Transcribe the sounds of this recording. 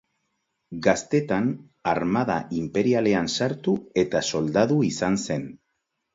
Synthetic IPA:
ɡast̪e̞t̪an | aɾmaðaimpe̞ɾiale̞ansaɾt̪ue̞t̪aso̞ld̪aðuisanse̞n

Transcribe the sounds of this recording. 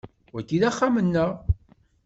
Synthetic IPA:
wækːiðæχːamənːəʁ

